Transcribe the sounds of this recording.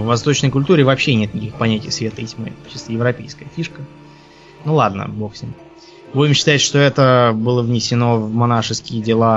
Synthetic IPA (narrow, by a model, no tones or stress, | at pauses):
vːɐst̪o̞t͡ɕnəjkʊlʲt̪uɾʲɪvɐpɕːenʲe̞t̪̚nʲɪkʲixpɐnʲætʲɪjsvʲe̞t̪əjtʲmɨ̰t͡ɕɨst̪əjɪvɾɐpʲejskəjəfʲiʂkə | nulˠad̪nə̰boxsʲɪnʲ | boɪmɕːɪ̥t̪aɪt̪ʂt̪o̞ɛt̪əbɨlˠəvnʲɪsʲɪno̞vmanaʂɨskʲɪjədʲɪlˠa